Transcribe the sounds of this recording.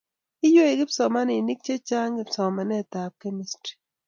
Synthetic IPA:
ɪ˦jwo˦e˨kɪ˦psɔ˨ma˦nɪ˨ni˦k̚t͡ʃe˦t͡ʃa˦ŋɡɪ˦psɔ˨ma˨nɛ˦˨ta˨p̚ke˦mi˦stɾi̥˨

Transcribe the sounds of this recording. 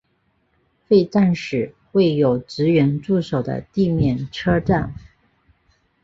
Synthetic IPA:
fe˥˧ɪʈ͡ʂa˥˩nʂɻ̩˨˩ | we˥˩ɪjo˨˩ʊʈ͡ʂɻ̩˧˥ɥɛ˧˥nʈ͡ʂu˥˩ʂo˨˩ʊd̪ə̰˦t̪i˥˧mjɛ˥˩nʈ͡ʂʰɤ˥ʈ͡ʂa˥˩n

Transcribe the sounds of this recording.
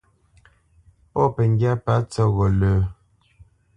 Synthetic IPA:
pɔ˦pɛ˨ŋ˦ɡja˦pa˨˦t͡sɔ˦ɣɔ˨ləː˨

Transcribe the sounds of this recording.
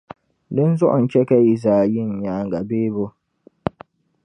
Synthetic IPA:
dɨ˦n˦zʊ˦ʔʊ˨n̩˨t͡ʃɛ˦kɛ˦i˨zaː˨ji˦n̩˨ɲaː˨ŋ˨ɡa˨beː˦bo˦

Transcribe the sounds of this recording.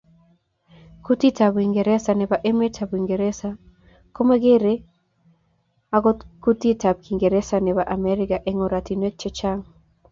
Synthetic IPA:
ku˦ti˦ta˨bi˨ŋɡe˨ɾɛ˦sa˨nɛ˨ba˨ʔe˦me˦tʰa˨bi˨ŋɡe˨ɾe˦sa˨ | ko˦ma˦ɡe˦ɾe˦ | a˦ɡo˦tku˦ti˦ta˨b̚kʰi˨ŋɡe˨ɾɛ˦sa˨nɛ˨ba˨ʔa˨mɛ˦ɾɪ˦ka˨ʔe˦ŋo˨ɾa˨ti˨nwe˦t͡ʃe˦t͡ʃa˦ŋ

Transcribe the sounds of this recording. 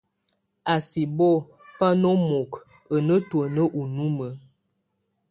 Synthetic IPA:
a˨si˨bɔ˦˨ | pa˦no˦mo˨k | ə˨nə˦twə˨nə˦ʔu˨nu˦mə˨˦

